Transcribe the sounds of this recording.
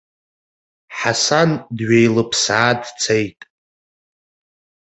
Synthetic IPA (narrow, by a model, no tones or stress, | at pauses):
ħasandɥejlɨpʰsaːdt͡sʰejtʼ